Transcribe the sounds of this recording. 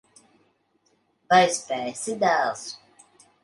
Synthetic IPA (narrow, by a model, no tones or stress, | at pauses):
bajspɛːsid̪æːlˠs